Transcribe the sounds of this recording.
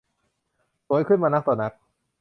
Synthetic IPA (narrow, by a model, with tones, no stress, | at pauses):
su˨˦˥jkʰɯ˥˩˨nmaː˧na˦˥k̚t̪ɔː˨˩na˦˥k̚